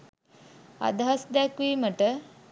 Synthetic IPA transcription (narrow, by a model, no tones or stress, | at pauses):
a̰d̪ɐɦasd̪ɛkʋiːməʈə